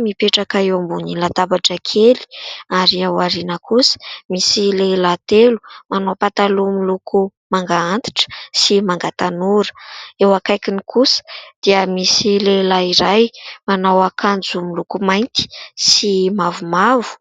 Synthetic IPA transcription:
mipeʈ͡ʂakaewambunilat̪abaʈ͡ʂəkʰeli̥aɾiawaɾinəkusə̥misilelat̪elu̥manowpat̪alumilukʰu | maŋɡaant̪i̥ʈ͡ʂə̥simaŋɡat̪anuɾə̥ewakajkinikʰusə̥d̪̥iəmisilelaiɾajmanawakʰand͡zumilukumajnt̪i̥simavumavu̥

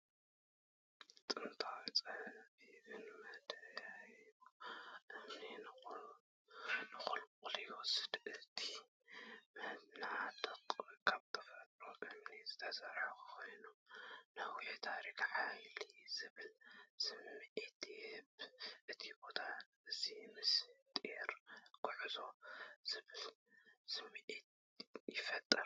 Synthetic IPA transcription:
t͡sʼɨnt̪ʰawit͡sʼɨhβiβɨnmɐhd̪jajuʔɨmninɨ | nɨxulkʼljwɔsɨ̥d̪ɨt̪ʰi̥ | mɨhnaʕat̪ɐtʼkʰaβt̪ʰʼɨ̥fɾɐt̪ʼɾoɨmnizɨt̪ʰɐsɐɾʕaxukʰo̞jnunawit̪ʰaɾikʕajlizɨβɨlsɨmːiʔet̪jhɨβʔɨt̪ʰibo̞t̪ʰa | ɨzimɨst̪ʼeɾɡʰʊʕzo̞z̥ɨβɨlsɨmːiʔet̪̚ | jɪfɐt̪ʼːɐɾ

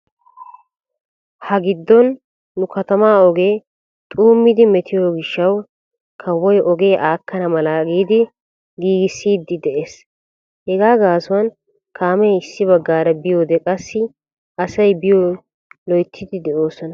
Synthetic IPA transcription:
hɐɡɪd̪ːɔnː | ʊkɐt̪ɐmaːɔɡe̞ː | t̪ʼuːmːɪd̪ɪmɛt̪ɪjoːɡɪʃːɐw | kʰɐwːɔjʔɔɡe̞ːʔaːkːɐnɐmɐlaɡiːd̪ɪ | ɡiːɡɪsːiːd̪ːɪd̪ɛʔe̞ːs | hɛɡaːɡaːsʊwɐn | kʰaːmɛjɪsːɪβɐɡːaːɾɐbɪjo̞ːd̪ɛkʼɐsːɪ | ɐsɐjbɪjo | lɔjt̪ʰːɪd̪ɪd̪ɛʔo̞ːsɔnɐ

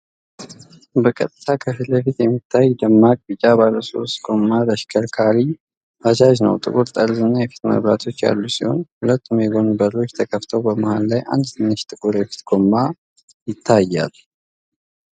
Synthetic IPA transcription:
bəkʼət̪ʼːɨt̪ʰakʰəfiləfit̪jɛmːit̪ʰːajd̪əmːakʼbɨd͡ʒabaləso̞̰st̪ɡ̥o̞mːad̪əʃkʰəlkʰaɾi | ʔad͡ʒaʒnə̰wt̪ʼɨ̰kʼuɾt̪ʼəɾzɨnːajɛfi̥t̪mə̰βɾat̪ʰo̞t͡ʃːja̰lːusiho̞̰nhulət̪ːumjɛɡo̞nubəɾo̞t͡ʃːt̪ʰəkʰəft̪ʰəwbəmahallajʔa̰nd̪t̪ʰɨnːɨʃt̪ʼɨkʼuɾɛfi̥t̪ɡ̥o̞mːa | jɪt̪ʰːajːa̰l

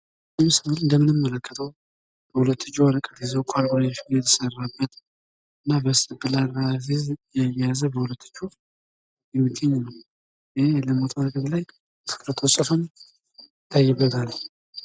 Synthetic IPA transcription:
əmsnalɨnd̪əmɨnɨmːələkʰːə̥t̪ʰəw | b̥əhulət̪ːɨd͡ʒːuaɾəkʼət̪izewkʷʰalɡɾafijɛt̪ʰə̥sərːabːət̪ | ʔɨnːabəst̪ʼɨbɨlaɾafizjɛjazəbəhulət̪ːɨ̥t͡ʃːu | jɛmːɨɡːəɲːnəw | ɪheləmot̪ʰaɾəkʼət̪laj | fɨ̥kʼɾt̪ʰosʼəfon | ɪt̪ʰːajːɪbːət̪ʰal

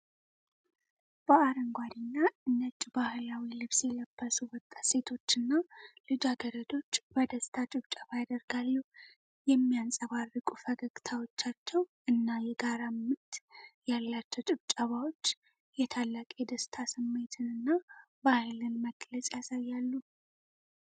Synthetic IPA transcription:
b̥əaɾəŋɡʷad̪inːaɨnːət͡ʃʼːibahlawilɨβsjɛləb̥ːəsuwɔt̪ʼːḁse̞t̪ʰo̞t͡ʃːɨnːalɨd͡ʒaɡəɾəd̪o̞t͡ʃːb̥əd̪əst̪ʰat͡ʃʼɪβt͡ʃʼaβajad̪əɾɡalːəh | jɛmːijansʼəβarːɨkʼufəɡəɡt̪ʰawo̞t͡ʃːat͡ʃːɛwʔɨnːajɛɡaɾamːɨt̪jalːat͡ʃːɛwt͡ʃʼɪβt͡ʃʼaβawo̞t͡ʃː | jɛt̪ʰalːakʼed̪əst̪ʰasɨmːe̞t̪ʰɨnɨnːa | bahlɨnməɡ̥lət͡ʃʼjasajːalːu

